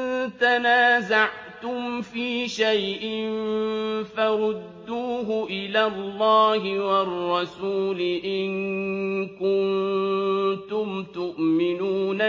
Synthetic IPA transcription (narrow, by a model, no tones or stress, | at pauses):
t̪anaːzaʕ | t̪ʊmfiːʃajʔɪn | faɾˤʊd̪ːuːɦʊʔɪlaːlːɑːɦɪwɑrˤːɑsuːlɪʔɪn | kʊn | t̪ʊmt̪ʊʔmɪnuːna